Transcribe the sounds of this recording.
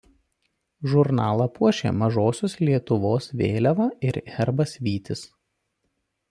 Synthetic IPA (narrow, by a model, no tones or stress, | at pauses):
ʒʊɾnɑːlˠɐpuɔʃʲḛːmɐʒoːsʲoːslʲiɛt̪ʊʋoːsʋʲḛːlʲɛʋɐɪɾɛɾbɐsʋʲiːt̪ʲɪs